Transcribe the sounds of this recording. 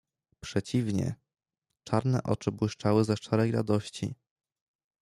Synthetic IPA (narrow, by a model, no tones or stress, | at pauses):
pʂɛt͡ɕivɲɛ̰ | t͡ʂaɾnɛʔɔ̰t͡ʂɘbwɘʂt͡ʂawɘzɛʂt͡ʂaɾɛjɾa̰d̪ɔɕt͡ɕḭ